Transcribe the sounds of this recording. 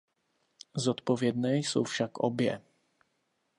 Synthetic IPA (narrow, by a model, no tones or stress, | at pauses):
zɔt̪pɔvʲjɛd̪ɲɛjsɔ̰̃wfʂakɔ̰bʲjɛ̰